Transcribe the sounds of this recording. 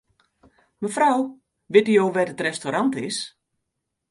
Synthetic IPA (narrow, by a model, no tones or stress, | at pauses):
məfraw | ʋɪtyjowʋɛdətrɛstoɾantɪs